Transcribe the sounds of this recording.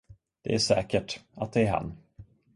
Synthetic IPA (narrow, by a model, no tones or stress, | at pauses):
d̪̥ɛ̰æʂɛːkəʈat̪̚d̪ɛæɾɦa̰nː